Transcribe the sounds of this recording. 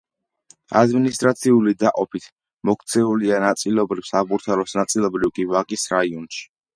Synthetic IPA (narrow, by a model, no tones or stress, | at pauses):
a̰d̪minist̪ʼɾat̪sʰiulid̪aqʼɔpʰit̪ʰ | mɔkʰt̪sʰɛulianat̪sʼilɔbɾifsabuɾt̪ʰaɾɔsnat̪sʼilˠɔbɾivkʼivaqʼisɾaiɔnʃi̥